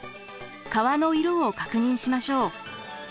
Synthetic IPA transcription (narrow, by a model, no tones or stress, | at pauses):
kaβano̞iɾõokakɯ̟ɲ̟ĩɰ̃ɕimaɕo̞ː